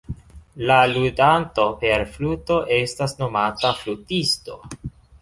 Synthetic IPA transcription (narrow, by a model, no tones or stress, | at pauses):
laludanto̞pe̞ɾfluto̞ʔe̞stasno̞mataflutisto̞̰